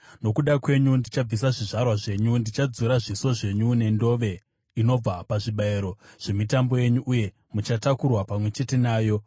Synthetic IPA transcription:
no̞kuɗakwe̞ɲundit͡ʃab͡vis̬aʐiʐarwaʐe̞ɲundit͡ʃad͡zuɾaʐiso̞ʐe̞ɲune̞ndo̞ʋe̞ | ino̞b͡vapaʐiɓaeɾo̞ʐ̥e̞mitambo̞je̞ɲuʔːje̞ | mut͡ʃatakurwapamwe̞t͡ʃe̞te̞naːjo̞

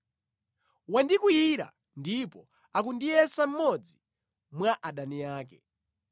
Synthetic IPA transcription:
wandikujiɾa̰ | ndipɔ | ak̬undijɛsam̩mɔd͡zi | mwaʔaɗanijaːkɛ

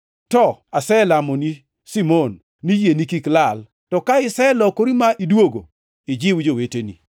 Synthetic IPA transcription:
tɔasɛlamɔni | simonː | ijenikiklal | tɔkaɪsɛlɔkoɾimaʔidwoɡo̰ | ɪd͡ʒɪwud͡ʒowetenḭ

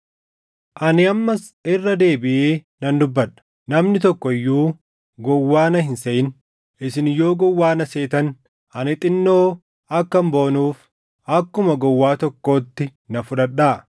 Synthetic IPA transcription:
ʔɐnɪɐmːɐs | ɪrːɐd̪e̞ːbɪʔeː | nɐnd̪ʊbːɐᶑɐ̥ | nɐmnɪt̪ɔkːɔɪjːuː | ɡɔwːaːnɐhɪnsɐʔɪn | ɪsɪnjo̞ːɡɔwːaːnɐse̞ːt̪ɐn | ɐnɪt̪ʼɪnːoː | ɐkːɐmbo̞ːnuːf | ɐkːʊmɐɡɔwːaːt̪ɔkːo̞ːt̪ːɪnɐfʊᶑɐᶑːaː

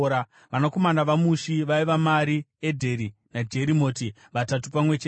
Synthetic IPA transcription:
a | ʋanako̞manaʋamuʃiʋaiʋamaɾiedʱe̞ɾinad͡ʒe̞ɾimo̞ːti | ʋatatupamwe̞t͡ʃe

